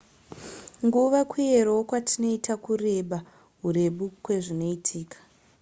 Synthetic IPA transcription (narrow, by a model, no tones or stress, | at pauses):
ŋɡuʋakwieɾookwatʰino̞itakure̞ɓa | ɦure̞ɓukwe̞ʐino̞itʰiːkḁ